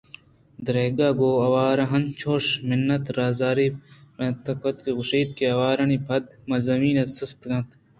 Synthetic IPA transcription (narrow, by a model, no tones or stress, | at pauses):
d̪ɾeːɡaːɡoːɐwaːɾɐ̃ɦɐnt͡ʃʰoːʂmɪnːɐt̪ɾaːzaːɾimɐt̪ɐkɐt̪kiɣʊʃiːd̪̚kiɐwaːɾɐnibʰɐd̪mɐzɐmiːnɐsɪst̪ɡɐ̃t̪